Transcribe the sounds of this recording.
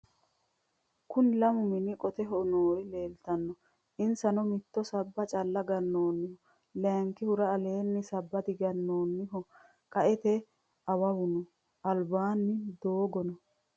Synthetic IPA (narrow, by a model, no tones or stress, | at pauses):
kʊnlɐmʊmɪnɪkʼɔt̪ɛɦɔnoːɾɪleːlt̪ɐnːɔ | ʔɪnsɐnɔmɪt̪ːɔsɐbːɐt͡ʃʼɐlːɐɡɐnːoːnːɪhɔ | lɛŋkːɪhʊɾɐːleːnːɪsɐbːɐt̪ɪɡɐnːo̞ːnːɪɦɔ | kʼɐʔɛt̪ɛ | ʔɐwɐwʊnɔ | ʔɐlbaːnːɪd̪oːɡɔnɔ